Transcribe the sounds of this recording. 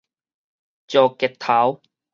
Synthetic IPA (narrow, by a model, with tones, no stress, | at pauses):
t͡ɕjɔː˨˧˩kɛ˨˩t̪ʰːa˨˦w